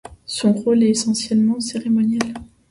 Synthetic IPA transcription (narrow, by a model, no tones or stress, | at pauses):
sɔ̃ʁolɛesɑ̃sjɛlmɑ̃seʁemɔnjɛl